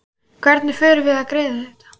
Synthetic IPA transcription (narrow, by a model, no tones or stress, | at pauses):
kʰvɛɾt̪nɪfʏːɾɪvɪðaðkɾeːðaθɛht̪ḁ